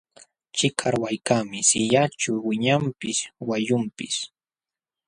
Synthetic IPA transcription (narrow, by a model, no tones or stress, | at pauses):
t͡ʃɪkʰaɾwajkamɪsɪjat͡ʃʊwɪɲampɪswajʊmpɪs